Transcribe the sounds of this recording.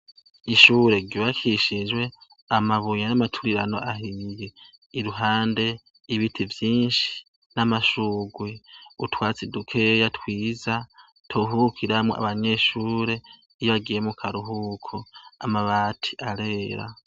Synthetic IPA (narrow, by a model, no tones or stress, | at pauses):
iʃuːɾe̞ɟoβakʰiʃid͡ʒwe̞ | amaβujanamatʰuɾiɾano̞̰ʔaɦije | iɾuɦaːnde̞ | iβitʰivjiːnʃi̥ | namaʃuːɡweutwaːt͡sidukʰejatwiːza | tʰoɦuukiɾamo̰ʔa̰βaɲe̞ʃuːɾe̞ | ijoβaɡijemukʰaɾuɦuːkʰoa̰maβatʰi̥ʔaɾe̞ːɾa̰